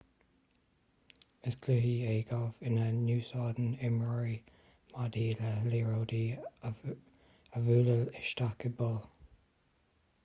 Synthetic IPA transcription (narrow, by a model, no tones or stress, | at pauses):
əsɡlɪɦieːɡɔvɪnənuːsɑːd̪nɪməɹi | madiːləliːɹowdi | əvuːləlɪʃtakəbɔl